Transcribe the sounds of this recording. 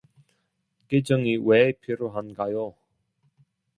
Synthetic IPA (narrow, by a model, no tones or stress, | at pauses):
ked͡ʑʌŋiwepʰiɾjoɦanɡajo